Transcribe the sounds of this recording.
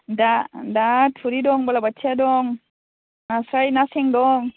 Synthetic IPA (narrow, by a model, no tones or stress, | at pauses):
dadatʰuɾidɔŋbalabat͡ʃʰadɔŋ | nasajnasɛŋdɔŋ